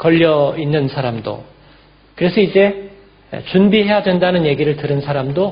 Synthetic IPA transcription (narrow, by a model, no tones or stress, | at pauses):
kʌʎːʌinːɯnsʰaɾamdo̰ | kɯɾe̞sʰʌid͡ʑe̞̰ | t͡ɕunbiɦe̞jadwendanɯnje̞ɡiɾɯɭtɯɾɯnsʰaɾamdo